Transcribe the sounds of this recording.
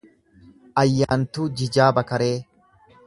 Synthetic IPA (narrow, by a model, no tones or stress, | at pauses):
ʔɐjːaːnt̪uːd͡ʒɪd͡ʒaːbɐkɐɾe̞ː